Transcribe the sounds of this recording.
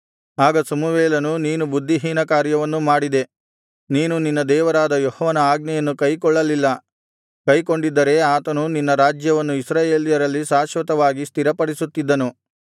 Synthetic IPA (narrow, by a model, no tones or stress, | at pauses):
aːɡɐsɐmuʋeːlɐnuniːnubud̪ʱːiɦiːnɐkaːɾjɐʋɐnːumaːɽid̪e̞ | niːnuninːɐd̪ɛːʋɐɾaːd̪ɐjɔhɔʋɐnɐaːɡ̚nɛjɐnːukɐjkɔɭːɐlilːɐ | kɐjko̞ɳɖid̪ːɐɾe̞aːt̪ɐnuninːɐɾaːd͡ʒjɐʋɐnːuisɾaːjeːlijɐɾɐlːisaːʃʋɐt̪ɐʋaːɡist̪ʰiɾɐpɐɽisut̪ːid̪ːɐnu